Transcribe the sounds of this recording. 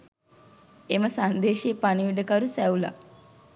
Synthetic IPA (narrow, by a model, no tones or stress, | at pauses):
eməsand̪eːʃeːpaniʋiɖəkaɾusæula̰